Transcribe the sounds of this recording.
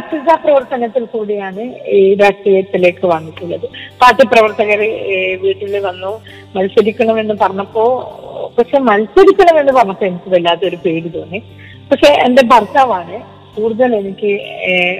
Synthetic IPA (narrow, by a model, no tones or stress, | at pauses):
ɐtːisaprɐʋɐrt̪ɐnɐt̪ːilkuːɽijaːɳɨiːɾaːʂʈrijɐt̪ːile̞ːkːɨʋaːŋːikʲːuɭːɐðɨpaːt̪jɐprɐʋɐrt̪ɐɣɐɾeʋiːʈːileʋɐnːo | mɐlsɐɾikʲːɐɳɐʋenːɨpɐrɐɲːɐpːo̞ːpɐkʂe̞mɐlsɐɾikʲːɐɳɐmeːnːɨpɐrɐɲɐpːɐenikʲːuðelːaːðeo̞ɾupe̞ːɾut̪oːnːe | pɐkʂe̞ʔende̞bʱɐrt̪aːʋaːɳɨ | puːrðɐle̞nikʲːɨ